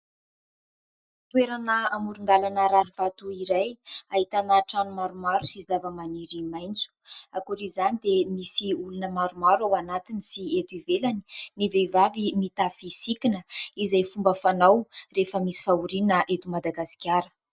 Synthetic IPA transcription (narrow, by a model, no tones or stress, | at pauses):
t̪ueɾanəamuɾund̪alanaɾaɾivat̪uiɾajaɦit̪anaʈ͡ʂanumaɾumaɾusizzavəmaniɾimajnt͡su̥akuɾizanid̪emisiulunəmaɾumaɾawanat̪inisiet̪uivelaninivevavimit̪afisikinəizajfumbəfanawrefəmisi̥fauɾinəʔet̪umad̪aɡasi̥kʲaɾə